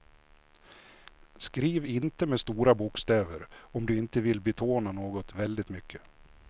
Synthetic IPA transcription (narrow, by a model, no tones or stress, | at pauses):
skɾiːvɪnt̪əmɛst̪uːɾabukst̪eːvəɾɔmd̪ɵɪnt̪əvɪlbɛt̪ʰoːnanoːɡɔt̪vɛld̪ɪt̪mʏkʰːə̥